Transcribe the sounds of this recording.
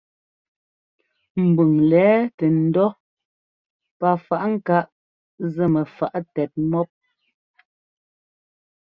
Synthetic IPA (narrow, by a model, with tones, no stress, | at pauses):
m̩˨bʉ˨ŋlɛː˨˦tɛ˨n̩˦dɔ˦ | pa˨fa˨ʔŋ̩˦ka˦ʔ | zə˨mɛ˨fa˨ʔtɛ˨t̚mɔ˦p̚